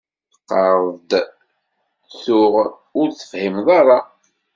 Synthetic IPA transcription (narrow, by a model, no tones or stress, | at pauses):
θəqːəɾˤðd̪ | θʊʁ | ʊɾθə̥fhimðˤɑɾˤɑ